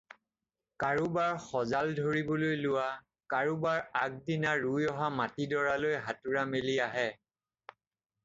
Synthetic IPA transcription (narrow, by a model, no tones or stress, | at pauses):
kaɹubaɹxɔzaldʱoɹibɔlojlʊwa | kaɹubaɹak̚dinaɹujɔɦamatidɔɹalojɦatʊɹameliaɦɛ